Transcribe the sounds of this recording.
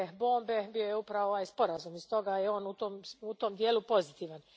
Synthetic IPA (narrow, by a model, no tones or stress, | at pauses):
bo̞ːmbebijo̞jeupɾaʋooʋaːjspo̞ɾazumist̪o̞ɡajeo̞ːnut̪omut̪omd̪jeːlupo̞zit̪iːʋan